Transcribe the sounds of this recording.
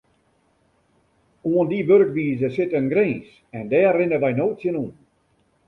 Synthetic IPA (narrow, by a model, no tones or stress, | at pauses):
uəndibøɾk̚ʋiːzəsɪtənɡɾẽːns | ɛndɛːrːɪnəʋajnoːtsjənun